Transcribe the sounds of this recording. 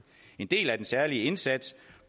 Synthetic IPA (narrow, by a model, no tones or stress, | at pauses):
e̝nd̥e̝̰ːlæd̥ensæɐliəe̝nsæd̥s